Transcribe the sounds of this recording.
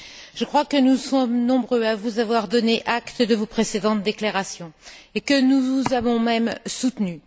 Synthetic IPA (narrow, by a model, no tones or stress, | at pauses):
ʒ̥əkχwakənusɔmnɔ̃bʁøavuzavwaʁd̪ɔneʔakt̪əd̪əvopχesed̪ɑ̃t̪̚d̪eklaʁasjɔ̃ekənuvzavɔ̃mɛmsut̪ny